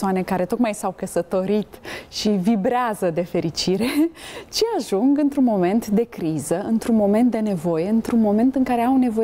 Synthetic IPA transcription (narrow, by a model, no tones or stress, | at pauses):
oane̞kaɾe̞t̪o̞t̪majsawkəsət̪o̞ɾit̪ʃivibɾeazəd̪e̞fe̞ɾit͡ʃiɾe̞t͡ʃeaʒuŋɡɨnt̪ɾunmo̞me̞nt̪d̪e̞kɾizəɨnt̪ɾunmo̞me̞nt̪̚d̪e̞ne̞vo̞je̞ɨnt̪ɾunmo̞me̞nt̪ɨŋkaɾe̞awne̞vo